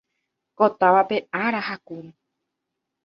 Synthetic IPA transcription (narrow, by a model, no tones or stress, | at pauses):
ko̞t̪aʋape̞aɾahakuɾi